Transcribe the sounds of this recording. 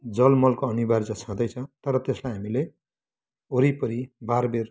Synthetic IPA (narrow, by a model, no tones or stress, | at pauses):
d͡zʌlmʌlkoʌnibard͡zʌt͡sʰãd̪ʌjt͡sʰʌ̃t̪ʌɾʌt̪eslajɦamile | oɾipʌɾibarber